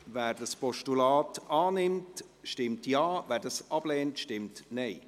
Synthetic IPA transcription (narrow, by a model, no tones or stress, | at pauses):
væːɾdəspɔʃtulɑːtɑːnɪmt | ʃtɪmtjɑːvæːɾdɑsɑb̥lɛːntʃtɪmtnɛɪ